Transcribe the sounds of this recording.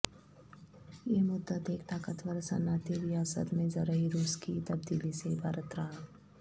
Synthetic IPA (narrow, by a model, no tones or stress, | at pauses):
jemʊd̪ət̪eːkt̪aːkət̪ʋəɾsɐ̰naːt̪iɾijaːsə̰t̪mẽzɐɾəiɾuːskit̪ɐbd̪iːlisebʱaːɾət̪ɾaːɳã